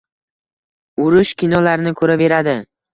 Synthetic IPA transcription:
ʊɾʊʃkʲɪnɒlaɾnɪkʰɵɾabe̞ɾad̪ɪ

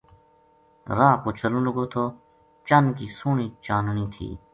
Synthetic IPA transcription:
ɾaːkot͡ɕʰɐlũluɡot̪ʰoː | t͡ʃɐnkiːsuːɳiːt͡ʃaːnuniːt̪ʰḭː

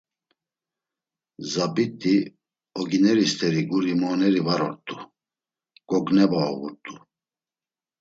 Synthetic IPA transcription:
zabit̪ʼi | ɔɡinɛɾist̪ʰɛɾiɡuɾimɔnɛɾivaɾɔɾt̪ʼu | ɡ̥ɔɡnɛbaɔvuɾt̪ʼu

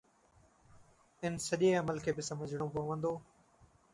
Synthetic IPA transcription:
ɪnsəʄeːɐməlkʰeːbɪsɐməd͡ʑʱɽ̃õpɐʋə̃nd̪oː

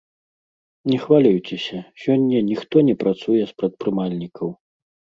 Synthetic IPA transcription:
nʲɛxvalʲujt͡sʲɛsʲɐsʲɔnʲːɐnʲixt̪ɔnʲɛpɾat̪sujɛspɾɐt̪̚pɾɨmalʲnʲikʰɐw

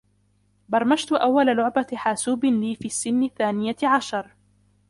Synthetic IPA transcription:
bɑɾˤmaʃt̪ʊʔawːalalʊʕbaħaːsuːbɪliːfiːsːɪnːɪθːaːnɪjaʕaʃɑɾˤ

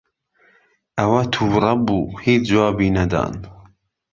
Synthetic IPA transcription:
ʔɐwɐt̪ʰuːrˤɑbuːhiːd͡ʒuwɑːbiːnɐd̪ɑ̰ːn

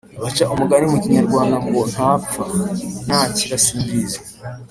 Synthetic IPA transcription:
βat͡ʃaʔomuɡanimuciɲaɾɡwaːndamɡon̥hapfan̥haːciɾasubize

